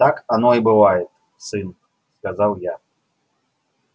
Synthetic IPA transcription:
t̪akanoibɨvajɪt̪̚ | sɨn | skazalˠja

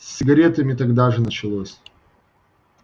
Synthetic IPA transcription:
sʲːɪɡɐɾʲe̞t̪əmʲɪt̪ɐɡd̪aʐɨnət͡ɕɪlˠosʲ

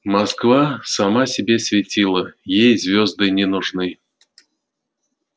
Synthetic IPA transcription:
maskvasamasʲɛbʲɛsʲvʲɛt͡sʲilˠɐjejzʲvʲɔzd̪ɨnʲɛnuʐnɨ

